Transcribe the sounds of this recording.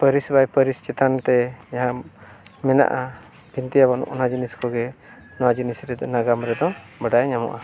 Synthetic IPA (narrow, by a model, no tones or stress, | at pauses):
pəɾisbajpəɾist͡ʃɛt̪ant̪ɛjaɦa | mɛna̰ʔa | bʱint̪ijabɔn̰ʔɔnad͡ʒiniskɔɡɛnɔwad͡ʒinisɾɛd̪ɔnaɡamɾɛd̪ɔbəɖajɲamɔ̰ʔa